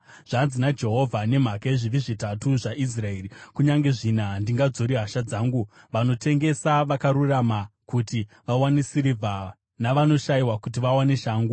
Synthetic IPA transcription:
ʐ̥anzinad͡ʒe̞ɦo̞vʱane̞m̤akaeʐiʋiʐitatuʐaʔis̬rae̞ːrikuɲaŋɡe̞ʐinandiŋɡad͡zo̞ɾiɦaʃad͡zaːŋɡu | ʋano̞tʰe̞ŋɡe̞saʋakaɾuramakutiʋawanisiɾivʱa | naʋano̞ʃaiwakut̬iʋawaneʃaːŋɡu

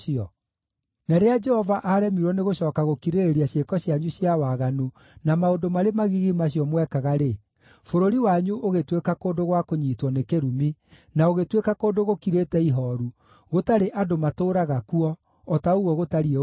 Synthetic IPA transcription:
iɔ | nɛɾead͡ʒɛhɔvaʔaɾɛmiɾɔneɣoɕɔːkaɣokiɾeɾeɾiaɕekɔɕjaɲuɕjawaɣanu | namaondomaɾemaɣiɣimaɕ̬ijɔmwɛkaɣaɾe | foɾoɾiwaɲuʔoɣetwekakoːdoɣwakoɲiːtwɔnekeɾumi | naoɣetwekakoːndoɣokiɾetɛiɦɔɾu | ɣotaɾeʔadomatoːɾaɣakuɔː | tauɣwɔɣotaɾie

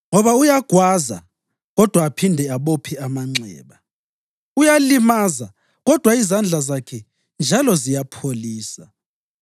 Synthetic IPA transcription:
ŋɔβaujaɡ̥ʱwaza̰ | ɣɔd̥ʱwaːpʰindʱɛaβopʰiamaŋ͡ǀɛ̰ːβa | ujalimaza | ɣɔd̥ʱwaizand͡ɮʱazakʰɛ | nd͡ʒʱalɔzijapʰoliːsa

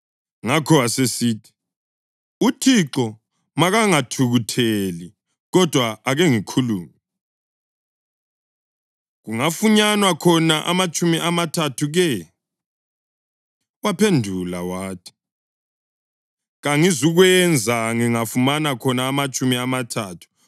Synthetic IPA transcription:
ŋakʰɔwasesiːtʰi̥ | utʰiǁɔ | maɣaŋatʰuɣutʰeli | ɣɔd̥ʱwaːɣɛŋikʰuluːmi | ɣuŋafuɲanwakʰɔnaʔa̰mat͡ʃʼumiʔamatʰatʰuɣɛ | wapʰendʱula̰waːtʰi̥ | ɣaŋizuɣwɛnd͡zʱaŋiŋafumanakʰɔnaːmat͡ʃʼumiamatʰaːtʰu̥

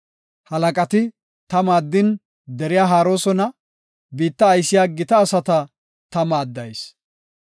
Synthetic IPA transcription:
hɐlɐkʼɐt̪ɪ | t̪ɐmaːd̪ːɪn | d̪ɛɾɪjaːɦaːɾo̞ːsɔnɐ | biːt̪ːɐːjsːɪjaːɡɪt̪ɐːsɐt̪ɐ | t̪ɐmaːd̪ːɐjs

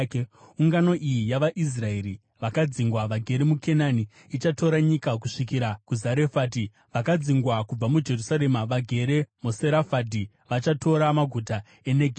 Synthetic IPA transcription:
uŋɡano̞ʔijijaʋaʔis̬rae̞ɾi | ʋakad͡ziŋɡwaʋaɡʱe̞ɾemukʰe̞naniː | t͡ʃato̞ɾaɲikak̬uʂikiɾakuzaɾe̞faːt̬i | ʋakad͡ziŋɡwakub͡vamud͡ʒe̞rusaɾemaʋaɡʱe̞ɾe̞moseɾafadi | ʋat͡ʃatʰo̞ɾamaɡʱuta | e̞neɡʱe

